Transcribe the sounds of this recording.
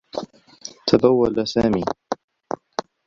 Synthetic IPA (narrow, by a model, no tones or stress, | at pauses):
t̪ʰab̪awːalasaːmiː